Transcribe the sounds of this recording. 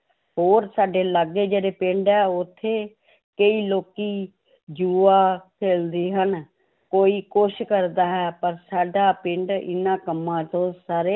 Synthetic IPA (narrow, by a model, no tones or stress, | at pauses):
ɦoːɾsaːɖeːləɡeːd͡ʒeːɽeːpɪɳɖɛːʊt̪ʰːeː | kəiːloːkiː | d͡ʒuːaːkʰeːld̪iːɦən | koːiːkʊʃkəɾd̪aːɦɛːpəɾsaːɖaːpɪɳɖɪ̰nãːkəmːãːt̪õːsaːɾeː